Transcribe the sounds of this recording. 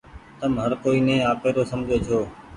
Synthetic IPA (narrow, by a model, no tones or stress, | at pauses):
t̪əmɦəɾkoːiːnẽːaːkeːɾoːsəmd͡ʒʱoːt͡ʃʰoː